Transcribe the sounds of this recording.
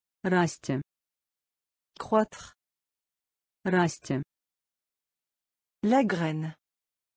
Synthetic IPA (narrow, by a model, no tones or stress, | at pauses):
rast̪ʲə | kχwat̪χ | rast̪ʲʰə | laɡʁɛn